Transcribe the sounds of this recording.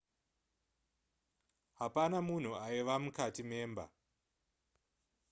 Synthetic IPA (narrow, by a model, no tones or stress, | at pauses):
ɦapanamun̤uaiʋamukatimeːmba̰